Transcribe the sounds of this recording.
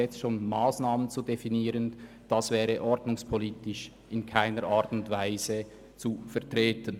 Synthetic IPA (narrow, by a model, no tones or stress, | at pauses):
ɛt͡stʃoːnmaːsnaːmənt͡sudefiniːɾən | d̥ɑsvɛːʁəʔɔɾdnʊŋspʰoliːtɪʃ | ɪnkʰaɪnəɾʔaːɾtʊntvaɪzə | t͡sufɛɐtʁeːtən